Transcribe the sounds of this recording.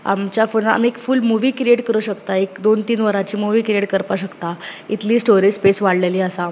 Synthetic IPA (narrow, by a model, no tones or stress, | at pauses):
a̰mt͡ɕjafona̰miekfulmuʋiːkɾieʈkəɾəɕəkt̪aekd̪ont̪iːnʋəɾat͡ɕiːmuʋiːkɾieʈkəɾpaɕəkt̪ait̪liːsʈoɾid͡ʑpesʋaɽleliːəsa